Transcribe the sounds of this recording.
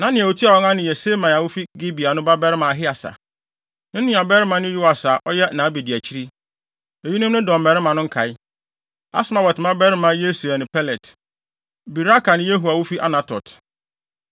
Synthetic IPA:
nã˦nɪ̃˨æ˨wu˨tʰi˦a˨wɔ̃˦ŋã˦nɪ̃˨jɛ˨se˦mã˨a˨wʊ˦fi˦ɡi˦bi˨a˨nʊ̃˦ba˦bɛ˦ɾɪ˦mã˨ɦɪ˦a˨sa̰˨ | nɪ̃˦nɪ̃˦˨a˨bɛ˦ɾɪ˦mã˨˦nʊ̃˦ju˦wa˨sa˨ʔɔ˦jɛ˦nã˨˦bi˨di˨æ˨t͡ɕʰi˦ɾi˦ | e˨ji˦nʊ̃˦nʊ̃˦dɔ̃˨mbɛ˨ɾɪ˦mã˨nʊ̃˦ŋ̩˦kʰa˨ɪ˦ | a̰˦smã˨wɛ˨tɪ˨mã˦bɛ˦ɾɪ˦mã˨˦je˦su˨a˨nɪ̃˨pʰɛ˦lɛ˨t | bi˨ɾa˦ka˨nɪ̃˦je˦ɦu˨a˨wʊ˦fi˦ʔa̰˦nã˨tʰɔ̰˨t

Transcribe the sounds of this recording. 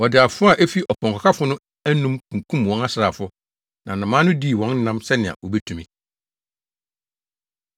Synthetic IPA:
wɔ˨dɪ˨a˨fʊ˦a˨ʔæ˦fi˦ʔɔ˨pʰɔ̃˨kʰʷɔ˨kʰa˦fʊ˦nʊ̃˦ | æ˦nũ˦mkʰũ˨kʰũ˦mwɔ̃˦na˦sɾa˨fʊ˦ | nã˨nã˨mãː˦nʊ̃˦di˦˨wɔ̃˨˦n̩˦nã˦msɛ˦nɪ̃˨ã̰˨wʔɔ˨bɛ˦tʰũ˨mĩ˨

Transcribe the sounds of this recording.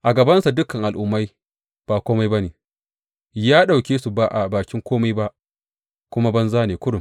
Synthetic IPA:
ʔa˨ɡɐ˨bɐ˦nsa˨dʊ˦kɐ˨ŋʔa˨lʔʊ˨mːa˦j | b̥aː˨kʷoː˦ma˦jbɐ˦neː˨ | jaː˦ɗa˨wkʲeː˦su˨ba˦ʔa˨baː˨kʲɪ˦ŋkʷoː˦ma˦jba˦ʔ | kʷʊ˦ma˦bɐ˦nzaː˦neː˨kʷʊ˦ɽʊ˨m

